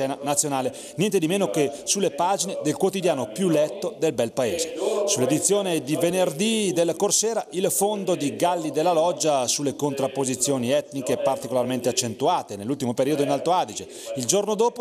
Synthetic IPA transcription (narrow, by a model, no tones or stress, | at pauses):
ɛːnanat̪sːjonaːle | njɛnt̪ed̪imeːnokesulːepaːd͡ʒined̪elkwot̪id̪jaːnopjulɛt̪ːod̪elbɛlpaeːzesulːed̪it̪sːjoːned̪ivenerd̪id̪elkorsɛːɾailfond̪od̪iɡalːid̪elːalɔd͡ʒːasulːekont̪ɾapːozit̪sːjoːniɛt̪nikepart̪ikolarment̪eat͡ʃːent̪uaːt̪enelːult̪imopeɾiːod̪oinalt̪oaːd̪it͡ʃe | ild͡ʒornod̪oːpo